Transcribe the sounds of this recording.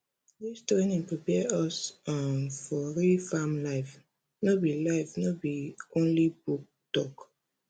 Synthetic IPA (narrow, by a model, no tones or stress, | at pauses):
ðistɾẽnĩŋpɹipɛɔsɔnfɔɹifamlaɪf | nobilaɪfnobiõnlibuk̚ | tɔk